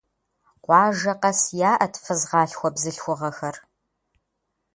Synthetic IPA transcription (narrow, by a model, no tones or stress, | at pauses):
qʷɑːʒɐqɐsjaːʔɐtʰfɨzʁɑːɬxʷɔbzɨɬxʷʊʁɐxɐr